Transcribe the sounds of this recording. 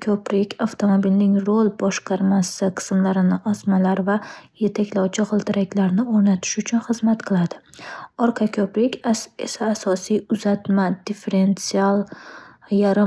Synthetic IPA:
kʲʰɵpɾɪkʲʰaft̪ʰo̞mobilnɪŋɾolˠbɒʃqʰɑɾmasɪqʰɨ̥smlaɾɪnɪʔasmalaɾvaje̞t̪ʰakʲlawt͡ʃʰɪqɨlˠt̪ʰɪɾakʲlaɾnɪoɾnat̪ʰɪ̥ʃʊt͡ʃʰʊnχɨzmat̪qʰɨlˠad̪ɪɒɾqʰɑkʲʰɵpɾɪkʲesaːsɒsijʊzat̪mad̪ife̞ɾe̞nt̪sialˠ | jaɾɪ

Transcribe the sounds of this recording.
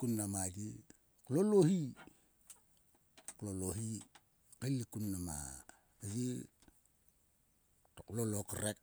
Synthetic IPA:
kunːamadi | klolohi | kloloɦi | kelːikunːama̰ | d͡ʒi | toklolokaɾek

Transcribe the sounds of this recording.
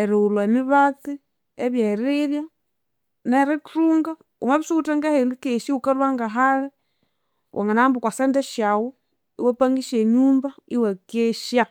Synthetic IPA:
eɾiulwaemiβati | eβjaɾeɾja | neɾekɾuːŋɡa | ṵmaβisuuteŋɡahendikeʃiukalwaŋɡaɦaɾe | wʔa̰ŋanambukwasendeʃawo | iwepaŋɡiʃeɲuːmbaiwekeʃja

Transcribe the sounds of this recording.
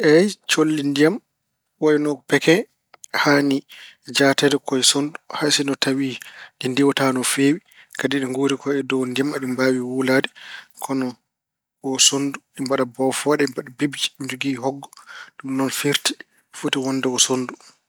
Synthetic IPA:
ʔɛjt͡ʃolːindijam | waɛnɔpɛkɛ | hanid͡ʒatɛdɛkɔjsonduhasinɔtawiɗindiwɔtanɔfewi | kadiɗɛŋɡoːɾikʰɔɛdɔwndijamaɗimbaːwiwulaːdɛkʰɔnɔ | ɔsonduɗimbaɗabɔfɔɗɛmbaɗabibd͡ʒi̥nd͡ʒuɡiɦɔɡːɔɗumnɔnfiɾti̥ | futiwɔnːdɛɡɔsondu

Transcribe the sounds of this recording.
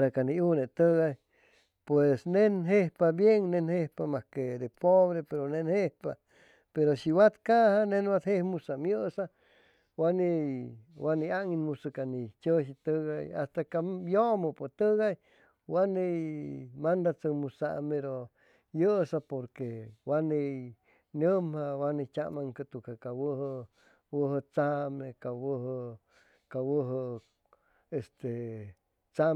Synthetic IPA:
ɾakaniunet̪əɣaj | pwesnenɦehpabjeŋnenhehpamahked̪epoβɾepeɾonenhehpa̰ | peɾoʃiwat̪kahanenwat̪hehmusamjəsa | waniwaniaŋinmusɨkanit͡ʃəʃit̪əɣaja̰st̪akajomopot̪əɣaj | wanejmand̪at͡səmusaʔmeɾo | jəsapoɾkewanej | nəmhawanet͡ʃaʔmaŋkət̪ukakawəhə | wəɦət͡samekawəɦə | kawəɦə | est̪e | t͡sa

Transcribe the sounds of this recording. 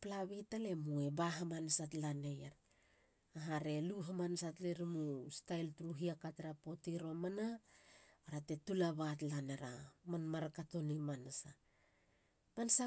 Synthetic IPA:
plaβitale̞mue̞baɦamansatlane̞jeɾ | aɦaɾe̞luɦamansatleɾimustajltuɾuɦiakateɾapo̞tiɾo̞mana | aɾate̞tulaβatlaneɾamanmaɾkato̞nimansa | mansa

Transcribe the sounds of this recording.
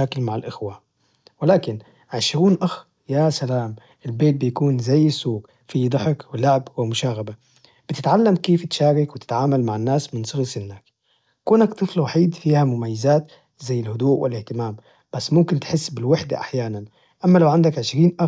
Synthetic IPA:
aːkɪlmaʕɪlʔɪxwa | wɪlaːkɪn | ʕɪʃɾuːnʔax | jasalaːmʔɪlbeːt̪̚bɪjakuːnzajːɪsːuːɡ | fid̪ˤɑħɪkwɪlaʕbwɪmʊʃaːɣaba | b̥ɪt̪ɪt̪ʕalːamkeːft̪ʃaːɾɪkwɪt̪ɪ̥t̪ʕaːmalmaʕɪnːaːsmɪnsˤɨɣsɪnːaːk | kuːnakt̪ˤɨflwaħiːd̪fiːhamʊmajːɪzaːt̪ | zajːɪlhʊd̪uːʔwʔɪ̰lʔɪht̪ɪmaːm | b̥asːmʊmkɪnt̪ħɪsːbɪlwɪħd̪a̰ʔa̰ħjaːnan | ʔamːalawʕand̪akʕɪʃɾiːnʔa

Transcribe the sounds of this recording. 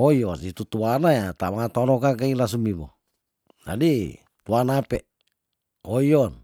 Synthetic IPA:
oiosit̪ut̪uanajat̪amaŋat̪onɔkak̬ailas̬umibo̰ | d͡ʒa̰di | t̪uanapɛ̰ | oiɔn

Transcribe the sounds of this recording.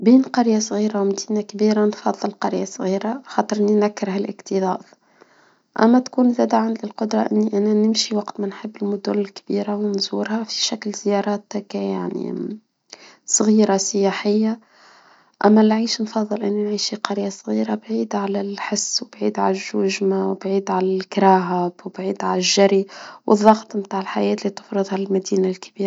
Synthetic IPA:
biːnqɑɾjasˤɣiːɾawmd̪iːnakbiːɾanfɑðˤːɨlqɑɾjasˤɣiːɾaxɑt̪ˤəɾʔninækːɾhælʔə̰kt̪iðˤɑ̰ːd | ʔæ̰mːæt̪kuːnzæd̪ʕanlɪlqʊd̪ɾˤɑʔɪnːiʔænænɪmʃiwɑqt̪mænħəbːɪlmʊd̪ʊlːɪlkbiːɾawnzuːɾhæfi̥ʃæklzjɑɾˤɑːt̪kæja̰ʕnḭ | sˤɣiːɾasɪjæːħɪjːa | ʔæmːælʕiːʃnfɑðˤːɨlʔɪnːinʕiːʃiqɑɾjasˤɣiːɾabʕiːd̪ʕalælħɪsːwbʕḭːd̪ʕalæʒːʊʒmawbʕiːd̪ʕalælkɾɑːɦabwbʕḭːd̪ʕalæʒːaɾiwʔəðˤːɑɣt̪ˤmt̪aːʕɪlħajɛːt̪lit̪ʊ̥fɾɨðˤhalmæd̪iːnalkbiːɾa

